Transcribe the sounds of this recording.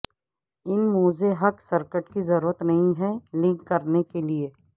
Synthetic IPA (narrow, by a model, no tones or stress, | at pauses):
ɪnmuːzeɦɐksɐɾkəʈkizɐɾuːɾət̪nɐɦĩɦɛlɪ̃ŋkːɐɾnekelieː